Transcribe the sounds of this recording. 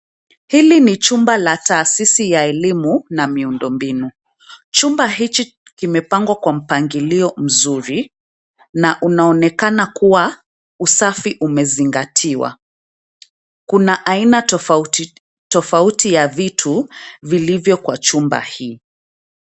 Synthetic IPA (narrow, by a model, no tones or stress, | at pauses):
hilinit͡ʃumbalataːsisijaɛlimunamiundɔmbinu | t͡ʃumbaɦit͡ʃi | kimɛpaŋɡwakwam̩paŋɡiliɔm̩zuɾi | naʔunaɔnɛkanakuwa | usafiʔumɛziŋɡatʰiwa̰ | kunaʔaina | tɔfautijavitʰuvilivjɔkwat͡ʃumba̰hiː